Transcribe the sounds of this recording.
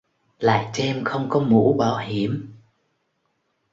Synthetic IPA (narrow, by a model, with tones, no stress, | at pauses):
la̰ː˧˨jt͡ɕɛ˧mxə˧wŋ͡mkɔ˨˦mṵ˧˥ɓaː˧˩whi˧˩əm